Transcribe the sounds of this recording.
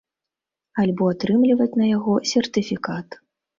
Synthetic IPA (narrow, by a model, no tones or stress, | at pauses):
alʲbɔat̪ɾɨmlʲivɐt͡sʲnɐjaɣɔsʲɛrt̪ɨfʲikat̪